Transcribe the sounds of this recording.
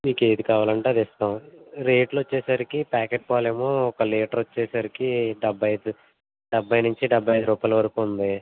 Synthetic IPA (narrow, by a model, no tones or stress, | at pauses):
miːke̞ːd̪ikaːʋaːlɐɳʈaːd̪ist̪aːmɾeːʈlot͡ʃːɛːsaːɾikipaːkeːʈ̚paːleːmoːɔkɐleːʈɐɾot͡ʃːɛːsaːɾikiɖɐbʱːɐjd̪u | ɖɐbʱːɐjnuɲt͡ʃiɖɐbʱːɐjɐjd̪uɾuːpaːjlɐʋɐɾɐkuund̪i